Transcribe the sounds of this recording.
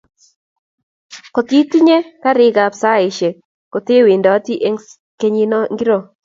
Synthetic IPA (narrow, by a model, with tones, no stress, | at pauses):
ko˨t̪i˦ti˦ɲe˦ka˦ɾɪ˦ɡa˨psa˦˨ɪ˨ʃe˨ | ko˨t̪ɪ˦wi˨ndɔ˨˦ti˦ʔe˦ŋ | ke˦ɲi˦nɔ˦ŋɡi˦ɾo˦